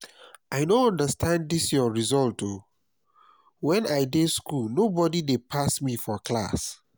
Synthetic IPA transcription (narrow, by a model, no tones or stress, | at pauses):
aɪnõɔ̃ndəstʰãndisjɔɹizɔltʰo | wɛ̃naɪdeskulnobɔdidepʰasmifɔkla̰s